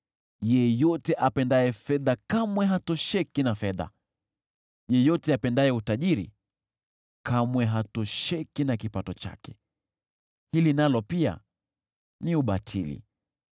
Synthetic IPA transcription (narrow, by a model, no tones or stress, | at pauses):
jɛjɔtɛʔapɛndaɛfɛðakamwɛɦatɔʃɛkinafɛða̰ | jɛjɔtɛapɛndaɛutaʄiɾḭ | kamwɛɦatɔʃɛkinakipatɔt͡ʃa̰kɛ̥ | hilinalɔpia̰ | niuɓatʰḭlḭ